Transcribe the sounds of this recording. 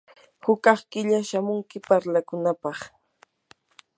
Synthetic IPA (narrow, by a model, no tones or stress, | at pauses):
hʊkɑχkɪʎaʃamʊŋkɪpaɾlakʊnapɑχ